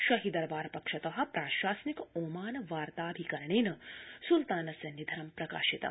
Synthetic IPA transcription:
ʃɐɦid̪ɐɾbaːɾpɐkʂɐt̪ɐɦɐ̆pɾaːʃaːsnikoːmaːnʋaːɾt̪aːbʱikɐɾɳeːnɐsult̪aːnɐsɐnid̪ʱɐɾɐmpɾɐka̰ːʃit̪ɐ̰

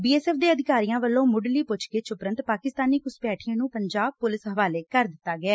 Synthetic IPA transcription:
biːɛːsɛːfd̪eːəd̪ɪkaːɾijãːʋəlːõːmʊɖliːpʊt͡ʃkeːt͡ʃʊpɾənt̪paːkɪst̪aːniːkʊspɛːʈʰiẽːnũːpəɲd͡ʒaːb̚pʊlɪsɦəʋaːleːkəɾd̪ɪt̪ːaːɡɪɛː

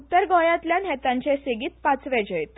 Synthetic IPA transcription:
ut̪ːəɾɡɔ̃jãt̪ljanɦɛt̪ãɲt͡ɕeseɡiːt̪̚pat͡sʋed͡ʑəjt̪

